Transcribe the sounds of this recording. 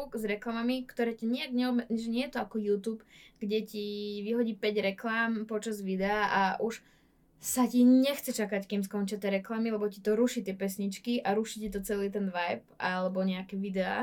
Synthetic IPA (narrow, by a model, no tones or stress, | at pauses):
kzɾɛklamamikt̪ɔɾɛːcaɲiaɡɲɛɔbmɛd͡zɲɛʒɛɲɪɛjɛt̪ɔakɔjuːt̪uːpɡɟɛciʋiɦɔɟiːpɛɟɾɛklaːmpɔt͡ʃazʋid̪ɛaʔaʔuʃ | saciɲɛxt͡sɛt͡ʃakackims̬kɔnt͡ʃɪat̪ɪɛɾɛklamilɛbɔcit̪ɔɾuʃit̪ɪɛpɛsɲit͡ʃkiʔaɾuʃicit̪ɔt͡sɛliːt̪̬ɛnʋajp̚ʔalɛbɔɲɛakɛʋid̪ɛa̰